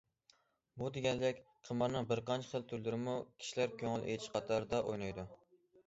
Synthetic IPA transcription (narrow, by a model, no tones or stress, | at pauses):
bud̪eɡʲɛnd̪ɛkʲqʰəmɑɾnɨŋbɪɾqɑnt͡ʃʰɑ̥χəlˠt̪ʰuɾlɪɾɪmukʲʰi̥ʃilæɾkʲʰøŋɪlʔḛt͡ʃʃqʰɑt̪ʰɑɾd̪ɑʔojnɑjd̪u